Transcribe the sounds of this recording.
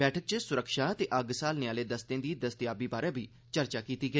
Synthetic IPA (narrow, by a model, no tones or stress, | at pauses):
ɛːʈʰək̚t͡ʃəsʊɾəkʃaːt̪eːʔəɡsaːlnɪjaːleːd̪əst̪ẽːd̪iːd̪əst̪ɪjaːbiːbaːɾɛ̃ːbiː | t͡ʃəɾt͡ʃaːkiːt̪iːɡə